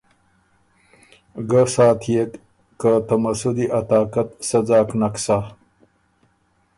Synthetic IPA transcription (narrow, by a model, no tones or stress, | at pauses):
ɡəsaːt̪ʰjek̪ | kat̪ɐmasud̪iʔat̪aːkat̪sad͡zɑːknaksa